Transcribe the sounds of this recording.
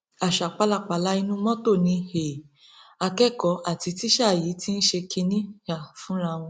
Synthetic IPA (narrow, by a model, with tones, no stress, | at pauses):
a˨ʃa˨k͡pa˧la˦˨k͡pa˨la˦i˦˧nũ˦mɔ̃˦to˦˨nĩ˧he˨ | a˧kɛ˦˨kɔ˨˦ʔa˨ti˧ti˦ʃa˦˨jiː˨˦ti˦n̩˦ʃe˧kʰi˧nĩ˦ʃa˦˨fũ˦ɾa˧w̃ɔ̃˧